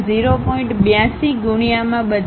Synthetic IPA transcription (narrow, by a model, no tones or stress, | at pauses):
ziɾopɔĩɳʈbjãsiɡʊɳijamãɓəd͡ʒ